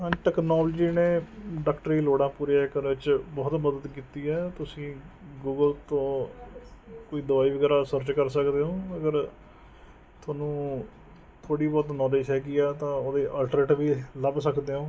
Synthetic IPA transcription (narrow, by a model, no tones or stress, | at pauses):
ãʈɛːknɔːld͡ʒiːneːɖaːkʈəɾiːloːɽãːpuːɾjãːkənʋɪt͡ʃbɔːt̪məd̪ət̪kiːt̪iːɛːt̪ʊsĩː | ɡuːɡəlt̪õː | koːiːd̪əʋaːiːʋəɡɛːɾaːsəɾt͡ʃkəɾsəkd̪eːõːəɡəɾ | t̪ʰwaːnũː | t̪ʰoːɽiːbɔːt̪nɔːleːʃɦɛːɡiːɛːt̪ãːoːd̪eːʔəlʈɾeːʈʋiːləbsəkd̪eːõː